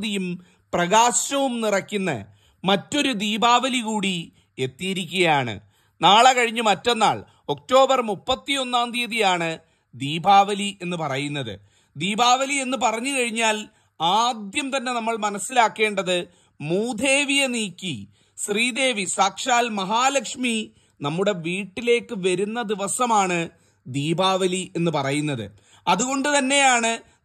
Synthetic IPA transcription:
ðijum | prɐɣaːɕɐʋumnirɐkːunːɨ̰ | mɐtːo̞ɾud̪iːbaːʋɐlikuːɽi | e̞t̪ːijiɾikʲːuɣɐjaːɳɨ̰ | naːɭekɐɻiɲːɨmɐtːo̞nːa̰ːɭ | o̞k̚to̞ːbɐrmupːɐt̪ːio̞nːaːnd̪ijɐðijaːɳɨ | d̪iːbaːʋɐliʔe̞nːɨpɐrɐjunːɐðɨ̰ | d̪iːbaːʋɐlie̞nːɨp̬ɐrɐɲːɨkɐɻiɲːaːl | aːd̪jɐmt̪ɐnːe̞nɐmːɐɭmɐnɐsːilaːkːe̞ːɳɖɐðɨ | muːd̪ʱe̞ːʋijɐniːkːi | ɕriːd̪e̞ːʋisaːkʂaːlmɐɦaːlɐkʂmi | nɐmːuɽe̞ʋiːʈːile̞ːkːɨʋɐɾunːɐd̪iʋɐsɐmaːɳɨ | d̪iːbaːʋɐlie̞nːɨpɐrɐjunːɐðɨ̰ | ɐðuɣo̞ɳɖɨt̪ɐnːe̞jaːɳɨ

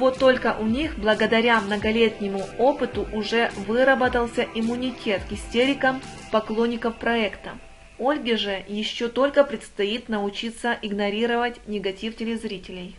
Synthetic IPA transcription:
vo̞t̪ːo̞lʲkəʔʊnʲixblˠəɡəd̪ɐɾʲamnəɡɐlʲet̪ʲnʲɪmʊopɨt̪ʊʔʊʐɛvɨɾəbət̪əlˠsʲəʔɪmːʊnʲɪtʲʰe̞t̪kʲɪsʲtʲeɾʲɪkəmpɐklˠonʲːɪkəfpɾɐɛkt̪ə | olʲɡʲɪʐɨjɪɕːo̞t̪o̞lʲkəpɾʲɪt̪st̪ɐit̪nəʊt͡ɕit̪sːəʔɪɡnɐɾʲiɾəvətʲnʲɪɡɐtʲiftʲɪlʲɪzɾʲitʲɪlʲɪj

